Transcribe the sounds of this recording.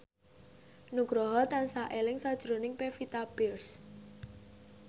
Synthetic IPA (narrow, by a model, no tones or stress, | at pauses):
nuɡ̥ɾɔɦɔt̪ansaʔelɪŋsad̥ʒ̥ɾonɪŋpefit̪abɪrs